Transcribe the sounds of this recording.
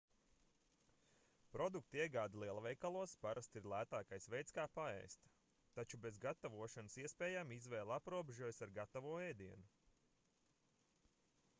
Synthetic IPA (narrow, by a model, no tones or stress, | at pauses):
pɾɔd̪uk̚t̪iɛɡaːd̪alˠiɛlˠɐvɛjkalˠuɔspaɾast̪iɾlˠæːt̪aːkajsvɛjt̪skaːpaɛ̰jst̪ | t̪ːat͡ʃube̞zɡat̪avuɔʃanəsiɛspɛːjaːmizvɛːlˠapɾuɔbeʒuɔjsaɾɡat̪avuɔɛjd̪iɛnu